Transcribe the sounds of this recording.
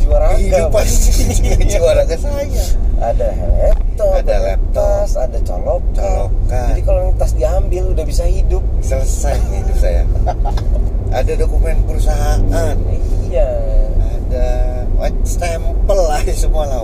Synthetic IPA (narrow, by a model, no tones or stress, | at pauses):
d͡ʒuaɾaɡiʊpast̪iiad͡ʒuaɾaɡasajaʔada | lɛp̚t̪ɔadaalɛp̚t̪asadat͡ʃa̰lɔkt͡ʃaalokad͡ʒadikaloaŋt̪asdiambɪludahbisahidʊp̚sələsajidup̚saja̰ | adadokumɛnpəɾusaɦaʔanijaada | wa̰st̪ampəlaisəmuala